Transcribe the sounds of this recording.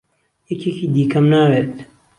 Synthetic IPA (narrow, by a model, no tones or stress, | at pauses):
jɛkʰeːkʰiːd̪iːkʰɐmnaːweːt̪